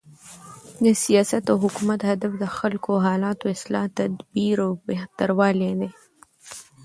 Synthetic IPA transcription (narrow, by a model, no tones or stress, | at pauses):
d̪əsijaːsɐt̪aɦʊkumɐt̪hɐd̪əfd̪əxɐlkoɦɑːlaːt̪oɪslɑt̪ɐd̪biɾobeht̪əɾwaled̪e